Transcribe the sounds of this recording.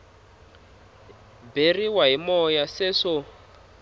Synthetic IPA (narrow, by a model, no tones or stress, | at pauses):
beriwaɦimɔjaseʂɔ